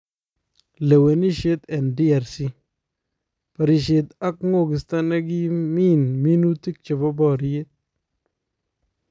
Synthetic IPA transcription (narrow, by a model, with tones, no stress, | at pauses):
le˨we˨ni˦ʃe˦t̪ɛ˨ndi˦a˨ɾsi˦ | pa˨ɾi˨ʃe˨t̪a˦kŋo˦˨ɡɪ˨st̪a˦na˦ɡi˦mi˦nmi˦nu˦ti˦k̚t͡ʃe˨bɔ˦bɔ˦˨ɾi˦je˦t̪̚